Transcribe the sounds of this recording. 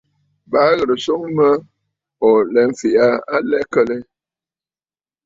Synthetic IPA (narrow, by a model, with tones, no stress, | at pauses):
ba˨˦ɣə˨ɾə˨so˦ŋmə˦ | ɔ˨lɛ˨˦ɱ˦fi˨a˦a˦lɛ˦kə˦lɛ˦